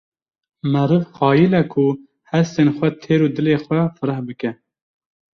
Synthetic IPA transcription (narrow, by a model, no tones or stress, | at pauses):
mɛɾɨvxɑːjilɛkʰu | hɛst̪eːnxʷɛt̪ʰeːɾuːd̪ɨleːxʷɛfɨɾɛhbɨkɛ